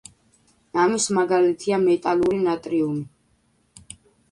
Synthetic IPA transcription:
namismaɡalit̪ʰiamɛt̪ʼaluɾinat̪ʼɾiumi

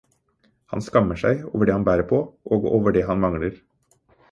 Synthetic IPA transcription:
hɑ̰nskɑmːəʂæɪo̰ːʋəɖɛːhɑnbæːɾəpʰɔʔoːɡoːʋəɖɛɦɑnmɑŋləɾ

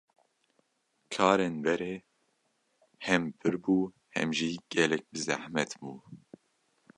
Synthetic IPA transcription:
kʰɑːɾenbɛɾeː | hɛmpʰɨɾbuː | hɛ̰mʒiːɡ̥ɛlɛk̚bɨzæ̰hmɛt̪buː

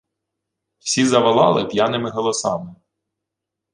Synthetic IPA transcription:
wsʲizɐʋɐlˠɑlˠɪpʲjanɪmɪɦɔlˠɔsɑ̰mɪ

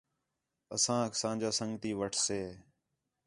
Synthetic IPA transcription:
əsãːksãːnd͡ʒaːsəŋɡt̪iːʋəʈʰseː

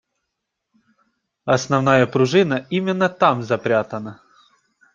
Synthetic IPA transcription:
ɐsnɐvnajəpɾʊʐɨnəimʲɪnːət̪amzɐpɾʲat̪ənə

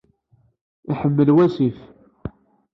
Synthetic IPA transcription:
iħəmːəlwæsif

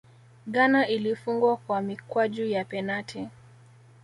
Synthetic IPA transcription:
ɠanaʔilifuŋɡwakwamikwaʄujapɛnatʰi

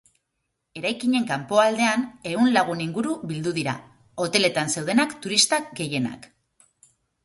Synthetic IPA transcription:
e̞ɾajkiɲe̞ŋkampo̞ald̪e̞ane̞ɣunlaɣ̞uniŋɡuɾuβild̪uðiɾa̰ | o̞t̪e̞le̞t̪anse̞wð̞enakt̪uɾist̪aɡe̞je̞na̰k

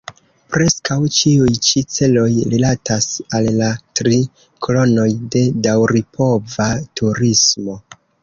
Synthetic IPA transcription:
pɾe̞skawt͡ʃiujt͡ʃit͡se̞lo̞jɾilatasalːatɾi | kolo̞no̞jde̞dawɾipʰo̞vatʰuɾismo̞

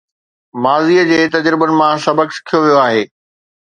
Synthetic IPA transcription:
maːziːəd͡ʑeːt̪ɐd͡ʑɾɪbənɪ̆mãsɐbəksɪ̥kʰijoʋijoaːɦeː

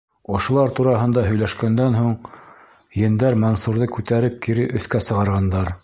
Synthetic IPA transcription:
ŏʃŏlˠɑɾt̪uɾɑɦɤ̆nd̪ɑɦɵ̆jlæʃkænd̪ænɦuɴ | jɘ̆nd̪æɾmonsuɾðɤkʉt̪æɾɘp̚kiɾɘʔɵ̆θkæsɤ̆ʁɑɾʁɑnd̪ɑɾ

